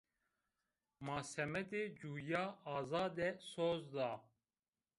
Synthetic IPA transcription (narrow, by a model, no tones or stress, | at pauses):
mɑːsɛmɛd̪eːd͡ʒuːjaːɑːzɑːd̪ɛsoːzd̪ɑː